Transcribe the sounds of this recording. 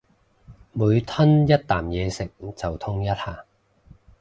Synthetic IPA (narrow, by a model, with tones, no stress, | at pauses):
muː˨˧jt̪ʰɐ˥njɐ˥t̚t̪ːaː˨˩mjɛː˨˧sɪ˨k̚t͡sɐ˨wt̪ʰʊ˥ŋjɐ˥t̚haː˨˩